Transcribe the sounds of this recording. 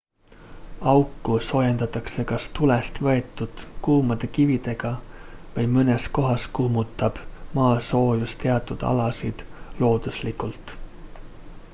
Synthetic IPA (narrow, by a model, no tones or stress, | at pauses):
ɑwkːuso̞ːjend̪̥ɑt̪ːˑɑkse̞kɑst̪ulest̪vɤe̞t̪ːˑud̪̥kuːmɑd̪̥e̞kivid̪̥e̞ɡ̥ɑvɤjmɤnesko̞ɦɑskuːmut̪ːˑɑb̥mɑːso̞ːjust̪eɑt̪ːˑud̪̥ɑ̰lɑsid̪̥lo̞ːd̪̥uslikˑult̪ˑ